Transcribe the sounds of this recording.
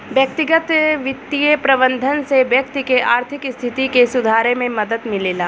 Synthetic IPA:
ʋjək̚t̪ɪɡət̪ʋɪt̪ːijepɾɐbə̃nd̪ʱənseʋjɐk̚t̪ikeʔaːɾt̪ʰɪkɪst̪ʰɪt̪ikesʊd̪ʱaːɾemẽmɐd̪əd̪mɪleːlaː

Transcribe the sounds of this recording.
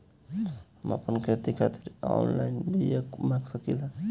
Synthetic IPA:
hma̰pənkʰet̪ikʰat̪iɾɔ̰nlajnbʱijekmaɡsəkila

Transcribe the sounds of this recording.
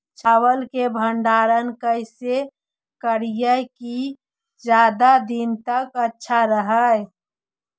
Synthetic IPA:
t͡ʃʰaːwəlkebʱə̃ɳɖaːɾənkəɪse | kəɽijəki | d͡ʒjaːd̪ad̪int̪əkətːʃʰaɾəɦə

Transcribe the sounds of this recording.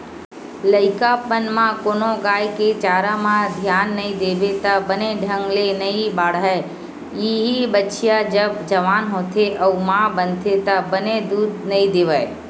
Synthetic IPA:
lɐɪkapənmãkoːnõɡaːjket͡ʃaːɾamãd̪ʱjaːnːɐɦĩd̪eːbet̪ɐbɐneɖʱə̃ŋɡlenɐĩbaːɽae | jiɦibətːʃijad͡ʒɐbd͡ʒɐʋaːnɦoːt̪eʔɐmãbə̃nt̪et̪ɐbɐned̪uːd̪̚nɐĩd̪eːʋaːe

